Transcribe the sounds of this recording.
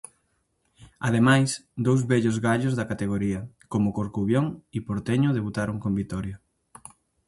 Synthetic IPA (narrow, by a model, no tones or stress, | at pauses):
að̞emajsd̪owzβɛʎʊzɣaʎʊzðɐkat̪eɣ̞oɾiɐ | komʊkoɾkuβjoŋipoɾt̪eɲʊðeβut̪aɾuŋkombit̪ɔɾjo